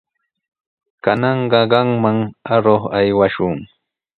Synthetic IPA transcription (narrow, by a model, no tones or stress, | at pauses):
kanɑɴɢɑɢɑŋmaŋaɾoχajwaʃʊŋ